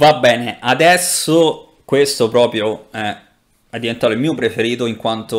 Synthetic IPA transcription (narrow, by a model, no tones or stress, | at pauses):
vabːɛːneʔad̪ɛsːo | kwest̪opɾɔːpɾjoɛ | ɛd̪ːivent̪aːt̪oilmiːopɾefeɾiːt̪oiŋkwant̪o